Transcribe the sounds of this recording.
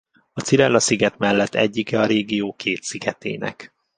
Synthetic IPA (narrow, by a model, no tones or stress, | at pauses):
ɒt̪siɾɛlːɒsiɡɛt̪mɛlːɛt̪ʰːɛ̰ɟːikɛɒɾeːɡijoːkʰeːt̪siɡɛt̪ḛːnɛ̰k